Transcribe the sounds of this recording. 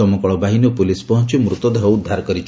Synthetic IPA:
ɔmɔkɔɭɔbaɦinɔpulispɔɦɔnt͡ʃimɾut̪ɔd̪eɦɔud̪ʱaɾkɔɾit͡ʃʰ

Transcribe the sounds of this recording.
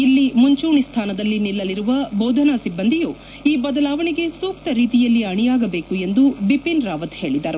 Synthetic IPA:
ilːimuɲt͡ʃuːɳist̪ʰaːnɐd̪ɐlːinilːɐliɾuʋɐboːd̪ʱɐnasibːɐnd̪ʱijuː | iːbɐd̪ɐlaːʋɐɳeɡe̞suːkt̪ɐɾiːt̪ijɐlːiɐɳijaːɡɐbe̞ːkue̞nd̪ubipinɾaːʋɐt̪he̞ːɭid̪ɐɾu

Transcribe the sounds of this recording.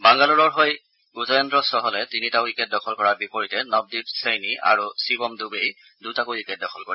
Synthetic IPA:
baŋɡaluɹɔɹɦoj | uzɔjɔndɹɔsɔɦɔlɛtinitaʊikɛt̚dɔkʰɔlkɔɹaɹbipoɹitɛnɔb̚dibsejniʔa̰ɹusibɔmdubej | dutakuikɛt̚dɔkʰɔlkɔɹi

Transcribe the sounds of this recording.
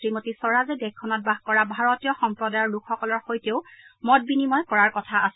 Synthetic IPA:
ɹimotisɔɹazɛdɛkʰːɔnɔt̚baɦkɔɹabʱaɹɔtijɔxɔmpɹɔdajɔɹlukʰxɔkɔlɔɹxojteʊmɔt̚binimɔjkɔɹaɹkɔtʰaːs

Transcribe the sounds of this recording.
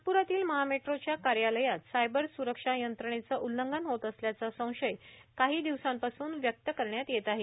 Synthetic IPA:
puɾat̪iːlməɦameʈɾot͡ɕjakaɾjaləjat̪sajbəɾsuɾəkʂajənt̪ɾəɳet͡səːʔulːəŋɡənɦot̪əsljat͡sasə̃w̃ʂəjkaɦiːd̪iʋsampasuːnʋjək̚t̪əkəɾɳjat̪jet̪aɦe

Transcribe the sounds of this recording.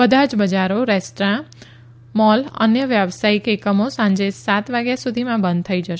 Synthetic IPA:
bəd̪ʱad͡ʒbəd͡ʒaɾoɾɛsʈɾã | mɔlə̰njəʋjabsaikekəmosãɲd͡ʒesat̪ʋaɡjasud̪ʱimãbə̃nd̪̚t̪ʰəid͡ʒəʃ

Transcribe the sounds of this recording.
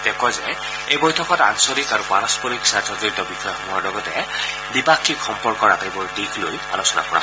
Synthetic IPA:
dɛkʰɔzɛ | ejbɔjtʰɔkɔta̰nsɔɹikaɹukanɔspɔɹiksatɔzɔɹitɔbixɔjɔxɔmuaɹlɔɡɔtɛ | bipakːikxɔmpɔɹkɔɹatajbɔɹdiɡloja̰losɔna̰kɔɹa̰

